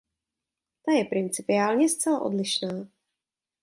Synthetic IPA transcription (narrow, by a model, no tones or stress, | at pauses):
t̪ajɛpɾɪnt͡sɪpɪaːlɲɛst͡sɛla̰ʔo̞̰dlɪʃnaː